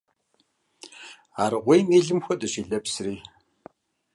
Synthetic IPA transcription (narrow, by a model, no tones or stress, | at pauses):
aːɾɨʁʷejmiːɮɨmxʷɔtʼɐɕiːɮɐpsriː